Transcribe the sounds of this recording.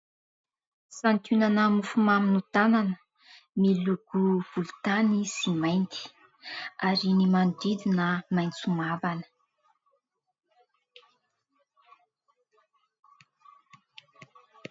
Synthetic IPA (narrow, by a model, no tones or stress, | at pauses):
sant̪ʰunanəmufumaminut̪ananə | miluɡ̥uv̥ulut̪anisimajnt̪i̥ | aɾinimandid̪inəmajnt͡sumavanə̥